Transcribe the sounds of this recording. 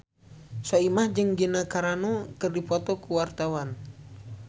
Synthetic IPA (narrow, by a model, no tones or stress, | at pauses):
saimahd͡ʒɨŋɡinakaɾanɔkərdipɔt̪ɔkuwart̪awan